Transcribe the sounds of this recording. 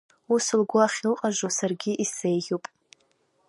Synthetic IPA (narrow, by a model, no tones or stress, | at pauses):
usɨlɡʷʊaχʲɪlqʼaʒosarɡʲɪʔisejʒʲuwpʼ